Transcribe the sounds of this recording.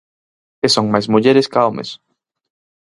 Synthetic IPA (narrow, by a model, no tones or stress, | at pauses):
esoŋmajzmuʎeɾeskaomḛs